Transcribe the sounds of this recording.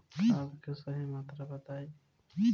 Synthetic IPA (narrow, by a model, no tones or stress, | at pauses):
aːbkesəɦimaːt̪ɾabət̪aːi